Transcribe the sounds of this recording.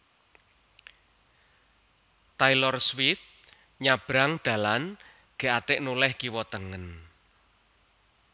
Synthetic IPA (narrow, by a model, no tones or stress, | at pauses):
t̪ajlɔrswiθ | ɲab̥ɾaŋd̪̥a̤lan | ɡ̥e̤at̪ɪʔnulɛhɡ̥iwɔt̪əŋən